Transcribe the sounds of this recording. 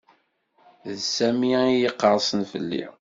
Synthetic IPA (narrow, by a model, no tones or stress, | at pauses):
ðsæmiijəqːəɾˤsˤənfə̰lːḭ